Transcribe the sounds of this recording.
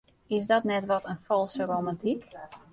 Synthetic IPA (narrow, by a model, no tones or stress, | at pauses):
ɪsdɔtnɛtʋɔtʰənfɔlˠsəromantik